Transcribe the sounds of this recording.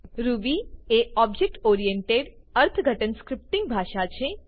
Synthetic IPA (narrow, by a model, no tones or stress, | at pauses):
ɾubieɔb̚d͡ʒek̚ʈoɾijeɳʈeɽ | əɾt̪ʰəɡʱəʈənskɾɪp̚ʈĩŋɡ̚bʱaʃat͡ʃʰe